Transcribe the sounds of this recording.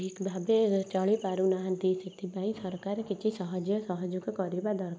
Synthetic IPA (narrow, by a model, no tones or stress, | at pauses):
ikbʱabet͡ʃaɭipaːɾunaɦnt̪isit̪ʰibaĩsɐɾkaɾkit͡ʃisɔɦɔd͡ʒjəsɔɦɔd͡ʒukekːɾibad̪ɔɾ